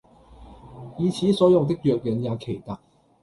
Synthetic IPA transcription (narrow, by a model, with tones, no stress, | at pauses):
i˨˩t͡ɕʰi˨˥sɔ˨˧˦jʊ˥˨ŋt̪̬ɪ˥k̚lɥɛ˨˧˩t̚jə˨˦nja˨˦kʰe˨˩jt̪a˥˩